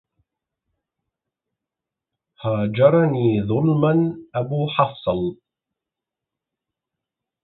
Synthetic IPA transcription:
haːd͡ʒɑɾˤɑniːðˤʊlmanʔabuːħɑfsˤɑl

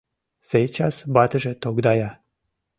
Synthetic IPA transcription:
sejt͡ɕasbat̪əʒet̪oɡd̪aja

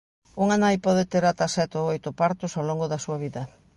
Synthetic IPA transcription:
uŋanajpɔð̞et̪eɾat̪asɛt̪oojt̪ʊpaɾt̪ʊsawloŋɡʊðɐsuɐβ̞iðɐ

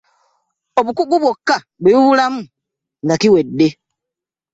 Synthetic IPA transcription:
oβukuɡuβwokːa | βeuβulamu | nakiwe̞dːe

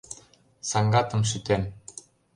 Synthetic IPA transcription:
sɑŋɡɑt̪ɤ̆mɕ̬yt̪en

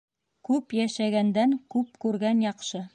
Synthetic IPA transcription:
kʉpjæʃæɡænd̪æŋkʉp̚kʉɾɡænjɑqʃɤ

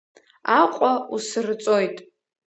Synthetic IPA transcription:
aqʷʼausɨrt͡sʼo̞jtʼ

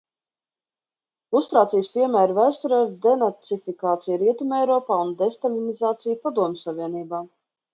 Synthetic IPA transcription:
ust̪ɾaːt̪sijspiɛmæːɾvæjst̪uɾɛɾd̪ɛnat̪ifikaːt̪sijɾiɛt̪umɛjɾɔːpaːund̪ɛst̪alinizaːt̪sijpad̪uɔmʲsavʲiɛniːbaː

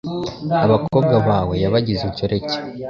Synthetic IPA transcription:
aβako̞ːb̚ɡaβaːwe̞jaβaɟizuco̞ɾe̞ce̥

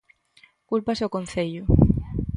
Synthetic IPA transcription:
kulpaseokõnθeʎʊ

